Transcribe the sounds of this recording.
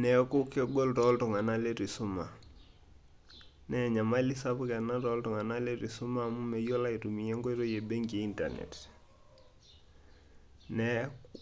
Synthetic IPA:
nɛ˨ku˦ke˦ɡo˦ltɔ˦ltu˨ŋa˨na˦le˦ti˨su˦ma˨ | nɛ˨ɲa˨ma˦li˦sa˦pu˦ke˨na˦tɔ˦ltu˨ŋa˨na˦le˦ti˨su˦ma˦mu˦me˨jo˦la˦i˨tu˨mi˨jɛ˦ŋɡo˦i˦ɾo˦je˨be˦ŋɡi˨i˦nta̰˨nḛ˨t | nɛ˨

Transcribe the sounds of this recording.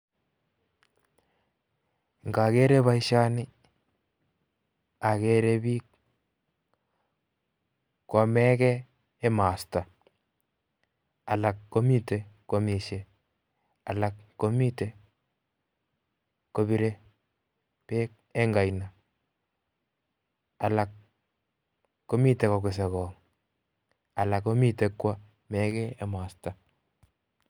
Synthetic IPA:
ŋɡa˨ke˦ɾe˦βa˦jʃa˦nɪ˦ | a˨ke˨ɾe˦bi˦k | kɔ˨mɛ˦kɛː˦ | ma˨sta˨ | a˨la˨kːo˦mi˦te˨ko˨mi˨ʃe˨ | a˨la˦kːko˦mi˦te˨ | ko˨bi˨ɾe˦ | pe˦k̚ | ɛ˦ŋɡa˨jna˨ | a˨la˨k | o˦mi˦te˨kɔ˨ɡʊ˨s̬ɛ˨kɔ˨ŋ | a˨la˨ko˦mi˦te˨kwa˦ | mɛ˦kɛ˦ɛ˦maː˨sta˨

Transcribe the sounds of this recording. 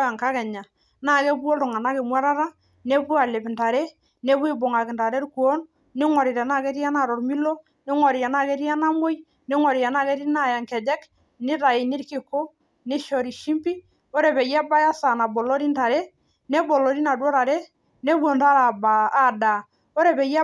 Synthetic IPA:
ja˨ŋka˦kɛ˨ɲa˨ | na˦˨kɛ˦bu˦o˦ltɔ˨ŋa˨na˦ke˨mwɛ˦ɾa˦ɾa˦ | ne˦pu˦a˨le˨pnta˨ɾɛ˦ | ne˦bwi˦bo˨ŋa˨kɪ˨nta˨ɾɛ˦ɾku˨o˦nː | i˦ŋɔ˨ɾi˨ɾɛ˨na˦kɛ˦ɾi˦a˦na˨ɾɔ˨ɾmi˦lo˦ | ni˦ŋɔ˨ɾi˨a˨na˦kɛ˦ɾi˦a˦na˦mo˦j | ni˦ŋɔ˨ɾi˨ja˨na˦kɛ˦ɾi˦na˦˨ja˨ŋkɛ˨d͡ʒɛ˦k | nɪ˦ɾa˨i˨ni˦ɾki˨ko˦ | ni˦ʃɔ˨ɾi˨ʃi˦mpi˦ | o˦ɾɛ˨βɛ˨ja˦ba˦ja˦sa˨na˨bo˨lɔ˦ɾi˦nta˨ɾɛ˦ | nɛ˦bɔ˨lo˨ɾi˦na˨dwɔ˦ɾa˨ɾɛ˦ | nɛ˦bwɔ˨nda˦ɾa˨baː˨˦da˨ | o˦ɾɛ˨bɛ˨ja˦

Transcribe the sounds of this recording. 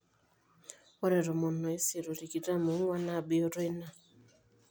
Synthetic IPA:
ɔ˦ɾɛ˨ɾɔ˨mɔ˨nɔ˨e˦se˨ɾo˨ɾi˨ki˨ɾa˦mo˨˦ŋwa˦na˦˨be˦o˦ɾe˦na˦˨

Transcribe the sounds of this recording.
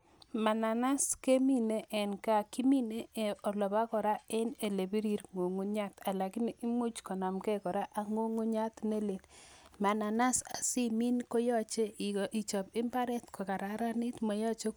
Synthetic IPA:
ma˨na˨na˦ske˦mi˦ne˦ʔɛ˨nka˨ki˦mi˦ne˦e˨ɔ˨lɔ˨ba˦kɔ˨ɾa˦e˦ne˨le˨bi˦ɾi˦ɾŋo˨ŋu˦ɲa˦ta˨la˨kɪ˦niʔi˦mu˦t͡ʃkɔ˨na˨mkɛ˦kɔ˨ɾa˦ʔa˨ŋo˦ŋu˦ɲa˦t̪ne˦le˨nma˨na˨na˦sa˨si˦mi˦nko˦jɔ˦t͡ʃe˦˨ʔi˨t͡ʃɔ˨pɪ˦mba˦ɾɛ˦t̪ko˨ka˨ɾa˨ɾa˦ni˦tmɔ˨jɔ˦t͡ʃo˦k

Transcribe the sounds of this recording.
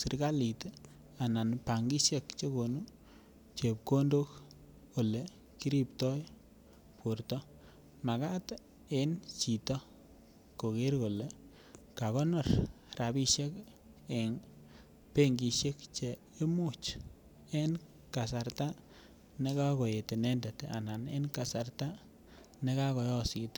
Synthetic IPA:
si˨ɾka˦li˨t | a˨na˨npa˨ŋɡi˦ʃe˦kt͡ʃe˦ko˨nu˦ | t͡ʃe˨p̚ko˦ndo˦k | ko˨le˨ | ki˦ɾi˦ptɔ˦j | po˨rtɔ˦ | ma˨ka˦t | e˦nt͡ʃi˨tɔ˦ | ko˨ke˦ɾko˨le˨ | ka˨kɔ˦nɔ˨rra˨bi˦ʃe˦k | e˨ŋ | pe˦ŋɡi˧ʃe˦kt͡ʃe˨ | e˦mu˦˨t͡ʃ | e˦n | ka˨sa˨ɾta˦ | ne˦ka˦ko˨je˨te˨ne˦nde˨ta̰˨na˨nḛ˦nka˨sa˨rta˦ | ne˦ka˦kɔ˨jɔ˦si˨t

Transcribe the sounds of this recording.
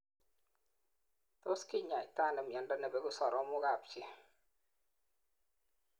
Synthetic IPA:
t̪o˦skɪ˦ɲa˨i˨t̪a˦˨na˨mja˨nda˦na˨bɛ˨˦ɡʊ˦sɔ˨ɾʔɔ˦mʊ˦ɡa˨pt͡ʃe˦

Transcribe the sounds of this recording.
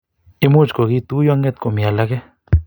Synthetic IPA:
i˧mu˦t͡ʃkʷo˨ɣi˦t̪u˦jo˦a˦ŋɡe˦t̪ko˨mja˨la˦ɡe˦

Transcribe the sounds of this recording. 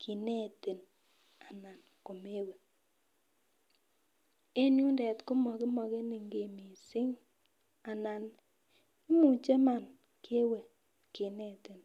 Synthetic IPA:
kʰi˨ne˦˨ti˨n | a˨na˨n | ko˨me˦we˨ | e˦nju˦ndɛ˨tkʊ˦mɔ˨kɪ˦mɔ˨ke˦ni˨ŋɡe˨mi˨sɪ˦ŋ | a˨na˨n | ɪ˦mu˨t͡ʃe˦ma˨n | kʰe˦we˨ | ke˨ne˦ti˨n

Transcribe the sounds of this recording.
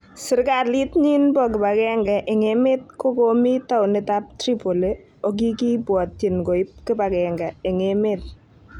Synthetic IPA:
sɪ˨ɾka˨li˦tɲi˦nbɔ˦k̬ɪ˨ba˨kɛ˦ŋɡɛ˨ʔɪ˨ŋe˦me˦t̚ko˦ko˦mi˦ta˦ʊ˨nɪ˦ta˦p̚tɾi˦po˨le˦ | o˦k̬i˦ki˦bwɔ˨tːi˨nko˨ɪ˦p̚kɪ˦ba˨kɛ˨ŋɡɛ˨ɪ˨ŋe˦me˦t̚

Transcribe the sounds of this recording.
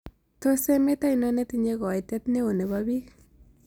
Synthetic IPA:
to˦se˦me˦ta˦inɔ˦ne˦ti˦ɲe˦kɔ˨i˨tjɛ˦tne˦wo˨ne˨βabiː˦k

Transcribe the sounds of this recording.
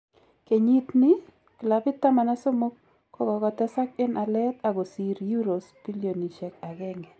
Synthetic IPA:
ke˨ɲi˦t̪ni˦ | kɪ˨la˨bɪ˦tːa˦ma˨na˦so˦mo˦k̚ | kːɔ˦kɔ˨ɡɔ˨tɛ˦sa˦k̚ɪ˦nʔa˨lɛ˦ta˨ɡo˨si˨ɾju˦ɾo˨spi˦lio˨ni˨ʃɛ˨ka˨ɡɛ˦ŋɛ˨

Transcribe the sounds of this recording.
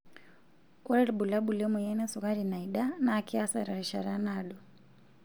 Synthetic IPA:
kɔ˦ɾɛ˦ɾiɓu˨la˦ɓu˨lɛ˦mu˨jɛ˦nɛ˦suɣa˦ɾina˨iɗa˦naːkia˦saɾa˨ɾi˨ʃa̰˨ɾa˦naɗɔ˨

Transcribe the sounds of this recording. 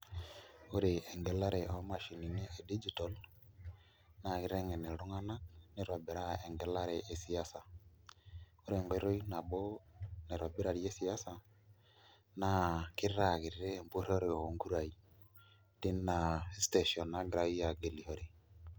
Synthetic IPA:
o˦ɾe˨ʔɛ˨ŋɡɛ˨la˦ɾe˨ɔ˦ma˨ʃi˨ni˨ne˦ʔe˨di˦d͡ʒi˨tɔ˨l | na˨ɣɪ˨ɾe˦ŋɛ˨ne˨ɾu˦ŋa˦na˦k̚ne˨ɾa˨be˨ɾa˦e˨ŋɡɛ˨la˦ɾe˨ʔe˨si˦a˦sa˨ | o˦ɾe˨ŋɡɔ˦ɾo˦i˦na˨bo˦ne˨ɾa˨be˦ɾa˨ɾi˨e˦si˨a˦sa˨ | na˦kɪ˦ɾɾa˦˨kɪ˨ɾɾe˦˨mpo˦ɾɔ˦ɾe˨ɔ˨ŋɡu˦ɾa˨i˨ | tɪ˦na˨˦ste˨ʃɔ˨na˦ɡɾa˦i˦a˨ɡe˨li˨ho˦ɾi˨

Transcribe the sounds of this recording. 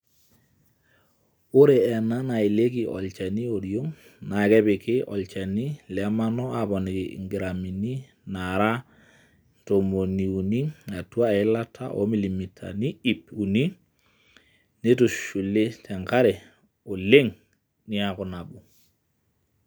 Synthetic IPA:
o˦ɾe˨ɛ˨na˦na˨i˨le˦ki˨ʔɔ̰˨lt͡ʃe˨ni˦o˨ɾjo˦ŋ | na˨kɛ˦pɪ˨kɪ˦ʔɔ̰˨lt͡ʃe˨ni˦lɛ˦ma˦nɔ˦a˨pɔ˨ni˨kɪ̰ŋɡɪ˨ɾa˨mi˨ni˦ | na˨ɾa˦ | n̩˨to˨mo˨ni˨u˨ni˦a˨twa˦˨ɪ˦la˦tʰa̰˦ʔɔ̰˦mi˨li˨mi˨tʰa̰˨ni˦i˦pu˨ni˦ | ne˦tu˨ʃu˨le˦tʰɛ˨ŋka˦ɾɛ˨ | o˨le˦ŋ | nɪ˦a˨kʊ˨na˨ɓu˨

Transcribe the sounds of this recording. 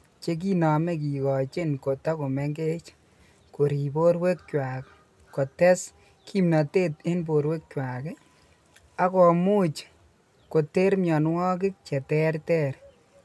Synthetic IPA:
t͡ʃe˦k̬i˦na˨me˦k̬i˨kɔ˨t͡ʃe˦nko˨ta˦ko˨mɛ˦ŋɡe˦t͡ʃ | ko˨ɾi˨bo˦ɾwe˦k̚t͡ʃwa˨k | ko˨tɛ˦s | kʰi˦mna˨te˦te˦nb̬o˨ɾwe˦k̚t͡ʃwa˨ke˦ | a˦kɔ˨mu˦t͡ʃ | ko˨te˦ɾmjɔ˨nwɔ˦k̬ɪ˦k̚t͡ʃɛ˨tɛ˦rtɛ˦ɾ

